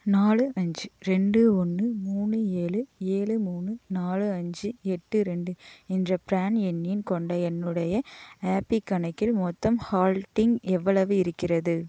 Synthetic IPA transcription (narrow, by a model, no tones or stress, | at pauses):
naːlɯʔɐɲd͡ʒɯɾɛɳɖɯɔnːɯmuːnɯeːɭɯeːɭɯmuːnɯnaːlɯɐɲd͡ʒɯɛʈːɯɾɛɳɖɯɛndrɐpɾaːnɛnːɪnkɔɳɖɐɛnːɯɽɐjɐaːpikːɐɳɐɪkːɪlmɔt̪ːɐmhaːlʈɪŋɡɛʋːɐɭɐʋɯɪɾɯkːɪrɐðɯ